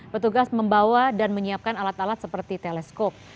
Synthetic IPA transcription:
pət̪uɡasməmbawadanməɲiap̚kanalat̪alat̪̚səpərt̪it̪elɛskop̚

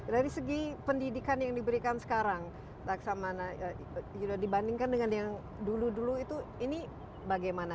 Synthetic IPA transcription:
daɾisəɡipəndidikanjaŋdibəɾikansə̥kaɾaŋ | t̪aksamana | judadibandiŋkandəŋanjaŋ | duluduluit̪uini | baɡajmana

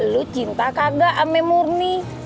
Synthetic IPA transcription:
lut͡ʃint̪akaɡaʔamɛmurni

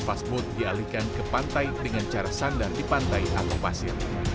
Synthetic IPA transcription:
fasbʊt̪̚dialikankəpant̪ajdəŋant͡ʃaɾasandardipant̪ajʔat̪awpasɪr

